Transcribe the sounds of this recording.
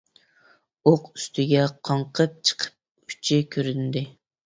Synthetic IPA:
oqy̥st̪ʰɪɡʲɛqʰɑɴqʰəp̚t͡ʃʰə̥qʰə̥p̚ | y̥t͡ʃʰɪkʲʰøɾynd̪ɪ

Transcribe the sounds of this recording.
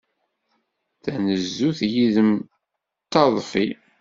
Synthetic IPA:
θænəzːuθjiðəm | t̪ːɑðˤfi

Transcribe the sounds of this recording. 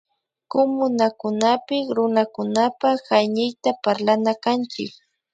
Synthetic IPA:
komʊnakʊnapɪkɾʊnakʊnapahajnɪjt̪apaɾlanakant͡ʃɪ̰k

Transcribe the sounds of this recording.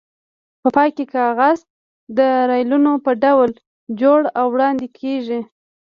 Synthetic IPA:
pəpɑjkekɑɣaz | d̪əɾɑjlunopəɖawl | d͡ʒoɽawːɽɑnd̪ekʰeʒi

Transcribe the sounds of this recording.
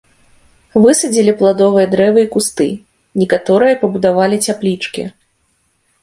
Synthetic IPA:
vɨsɐd͡zʲilʲiplˠad̪ɔvɨjɐd̪ɾɛvɨikust̪ɨ̰ | nʲɛkat̪ɔɾɨjɐpɐbud̪avalʲit͡sʲaplʲit͡ʂkʲḭ

